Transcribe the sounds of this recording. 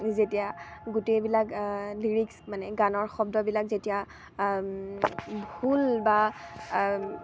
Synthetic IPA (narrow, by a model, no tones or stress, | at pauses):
zetijaɡutejbilakliɹiksmanɛɡanɔɹxɔb̚dɔbilak̚zetija | bʱulba